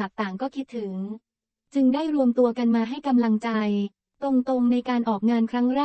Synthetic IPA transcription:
a˨˩k̚t̪aː˨˩ŋkɔː˥˩kʰi˦˥t̪ʰːɯ˩˦ŋ | t͡ɕɯ˧ŋdaː˥˩jɾu˧əmt̪u˧ɐka˧nmaː˧ɦa˥˩jka˧mla˧ŋt͡ɕa˧j | t̪o˧ŋt̪o˧ŋna˧jkaː˧nʔɔː˨˩k̚ŋaː˧nkʰɾa˦˥ŋɾɛː˥˩

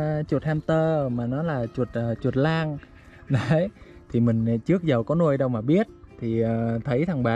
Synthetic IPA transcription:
t͡ɕu˨˩t̚haː˧mt̪əː˧maː˨˩nɔ˨˦laː˨˩t͡ɕwu˨˩t̚ʔːt͡ɕwə˨˩t̚laː˧ŋ | ɗə˨˦˨j | t̪ʰi˨˩mï˨˩ŋ̟˨t͡ɕɨ˦˥ək̚zə˨˩wkɔ˨˦nu˧əjɗə˧wmaː˨˩ɓi˦˥ət̚t̪ʰi˨˩əː˨˩t̪ʰə˨˦jt̪ʰa˨˧˩ŋɓaː˨

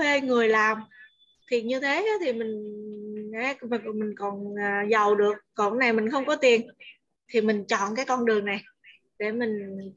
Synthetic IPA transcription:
e˧ŋɨ˨˩əjlaː˨˩m | t̪ʰi˨˩ɲɨ˧t̪ʰe˨˦ʔa˨˦t̪ʰi˨˩mï˨˩ŋ̟˨˦ | m˨˩mï˨˩ŋ̟kɔ˨˩naː˨˩zə˨˩wɗɨ˨˩ək̚ːɔ˨˩na˨˩jmi˨˩ŋ̟xə˧wŋ͡mkɔ˨˦t̪i˨˩ən | t̪ʰi˨˩mï˨˩ŋ̟t͡ɕɔ̰˧˨nkaː˨˦jkɔ˧nɗɨ˨˩əŋna˨˩j | ɗe˧˩mï˨˩ŋ̟

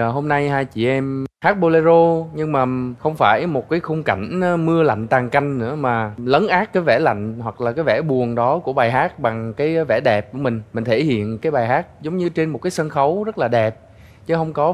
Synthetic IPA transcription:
ɦo˧mna˧jhaː˧jt͡ɕḭ˧˨ʔɛ˧mhaː˦˥t̚ɓo˧le˧zo˧ɲɨ˧ŋmaː˨˩xə˧wŋ͡mfaː˧˩jmo˨˩t̚kaː˨˦jxʊ˧ŋ͡mka˧˩jŋ̟˨˧mɨ˧əla̰˧˨jŋ̟t̪aː˨˩ŋka˧jŋ̟nɨ̰˧˥əmaː˨˩lə˨˦nʔaː˦˥t̚kaː˨˦jvɛ˧˩la̰˧˨jŋ̟hwa˨˩k̚laː˨˩kaː˨˦jvɛ˧˩ɓu˨˩əŋɗɔ˨˦ku˧˩əɓaː˨˩jɦaː˦˥t̚ɓa˨˩ŋkaː˨˦jvɛ˧˩ɗɛ˨˩p̚ku˧˩əmï˨˩ŋ̟mï˨˩ŋ̟t̪ʰe˧˩hḭ˧˨ənkaː˨˦jɓaː˨˩jɦaː˦˥k̚zə˨˦wŋ͡mɲɨ˧t͡ɕe˧nmo˨˩t̚kaː˨˦jsə˧nxə˨˦wzə˦˥t̚laː˨˩ɗɛ˨˩p̚ | t͡ɕɨ˨˦ɦə˧wŋ͡mkɔ˨˦

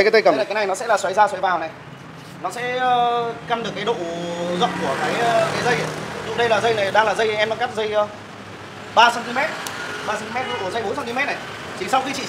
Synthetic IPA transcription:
ka˨˦t̪ə˧jkə˧˩˦mn˨˩ka˨˦na˨˩jnɔ˦sɛ̰˧˥laː˨˩swa˨˦jzaː˧swa˨˦jvaː˨˩wna˨˩j | nɔ˨˦sɛ̰˧˥ə˧ka˧mɗɨ˨˩kːaː˨˦jɗo̰˧˨zə̰˧˨ŋ͡mku˧˩əkaː˨˦jkaː˨˦jzə˧jzʊ˨˧˩ɗə˧jlaː˨˩zə˧jna˨˩jɗaː˧ŋlaː˨˩zə˧jʔɛ˧mɓa˧ŋka˦˥p̚zə˧j | ɓaː˧sa˧nt̪i˧mɛ˦˥t̚ɓaː˧sa˧t̪mɛ˦˥t̚ɗo̰˧˨˧zə˧jɓo˨˦nsa˧nt̪i˧mɛ˦˥t̚na˨˩j | t͡ɕi˨˦ŋsa˧wxi˧t͡ɕḭ˧˨

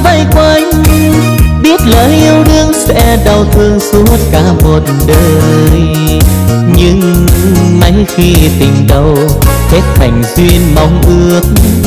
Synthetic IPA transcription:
va˧˩jkwə˧˩ | ɓi˦˥ət̚ləː˨˩ʔi˧əwɗɨ˧əŋsɛ̰˧˥ɗə˨˩wt̪ʰɨ˨˧˨əŋsu˨˦ət̚kaː˧˩mo˨˩t̚ɗəː˨˧˨j | ɲɨ˧˥ŋ | mə˨˦jxi˧t̪ï˨˩ŋ̟ɗə˨˩w | h̪ʰe˦˥t̚t̪ʰa˨˩jŋ̟zwi˧ənma˨˦wŋ͡mʔɨ˧˦˩ək̚

